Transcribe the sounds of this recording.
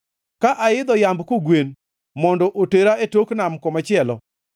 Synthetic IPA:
kaʔaɪd̪ɔjambkoɡwen | mɔndɔʔoteɾaetoknamkɔmat͡ʃɪɛlɔ̰

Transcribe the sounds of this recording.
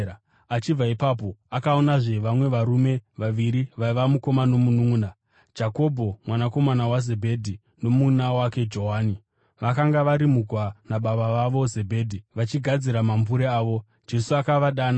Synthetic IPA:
at͡ʃib͡vaipaːp̬o̞akaonaʐe̞ʋamwe̞ʋaɾume̞ʋaʋiɾiʋaiʋamuko̞mano̞mununḁ | d͡ʒako̞bʱo̞mwanako̞manawaze̞bʱe̞dʱi | no̞munawake̞d͡ʒo̞ɦaːni | ʋakaŋɡaʋaɾimuɡʱwanaɓaɓaʋaʋo̞ze̞bʱe̞ːdʱiʋat͡ʃiɡʱad͡ziɾamambuɾeaːʋo̞ | d͡ʒe̞suakaʋaɗaːna

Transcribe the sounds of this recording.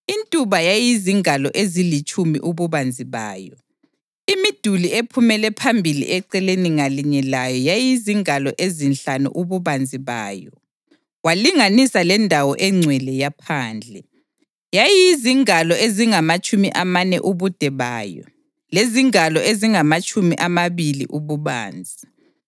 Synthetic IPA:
intʼuβajajiziŋalɔʔezilit͡ʃʼumḭʔuβuβand͡zʱiβa̰ːjɔ | imid̥ʱuliepʰumɛlɛpʰambʱilḭʔɛǀɛleniŋaliɲɛlajɔjajijiziŋalɔʔezinɬanṵʔuβuβand͡zʱiβa̰ːjɔ | waliŋanisalɛndʱawɔ̰ʔɛŋ͡ǀʱwɛlɛjapʰaːnd͡ɮʱɛ | jajijiziŋalɔeziŋamat͡ʃʼumiʔamanɛ̰ʔuβud̥ʱɛβaːjɔ̰ | leziŋalɔʔeziŋamat͡ʃʼʰumiʔamaβilḭʔuβuβa̰ːnd͡zʱi

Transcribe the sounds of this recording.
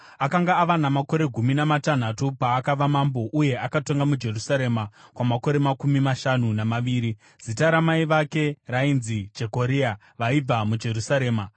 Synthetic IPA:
akaŋɡaːʋanamako̞ɾe̞ɡʱuminamatan̤atupaːkaʋamambo̞ʔuje̞ʔakato̞ŋɡamud͡ʒe̞rusaɾe̞makwamako̞ɾe̞makumimaʃanunamaʋiːɾi | z̥itaɾamaiʋake̞rainzid͡ʒe̞ko̞ɾia | ʋaib͡vamud͡ʒe̞rusaɾe̞ːma

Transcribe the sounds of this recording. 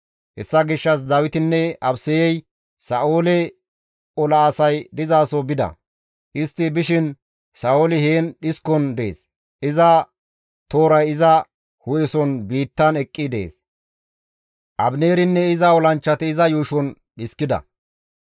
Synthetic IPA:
hɛsːɐɡɪʃːɐs̬d̪ɐwɪt̪ɪnːɛɐbsɛjɛj | sɐʔoːlɛ | ɔlɐːsɐjd̪ɪzaːsɔbɪd̪ɐ̰ | ʔɪst̪ːɪbɪʃɪn | saoːlɪheːnɗɪskɔnd̪e̞̰ːs | ɪzɐ | t̪oːɾɐjɪzɐ | hʊjɛsɔnbiːt̪ːɐnɛkʼːɪd̪ḛːs | ʔɐbne̞ːɾɪnːɛɪzɐɔlɐnt͡ʃːɐt̪ɪːzɐjuːʃɔn | ɗɪskɪd̪ɐ̰

